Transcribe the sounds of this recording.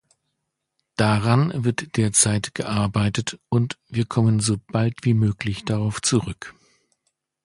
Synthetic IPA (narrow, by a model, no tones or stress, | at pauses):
d̥aʁanvɪɐtd̥eːɐt͡saɪtɡ̥əʔaɐbaɪtətʊntv̥iːɐkʰɔmənzoːb̥altv̥iːmøːklɪçd̥aʁaʊft͡suʁʏk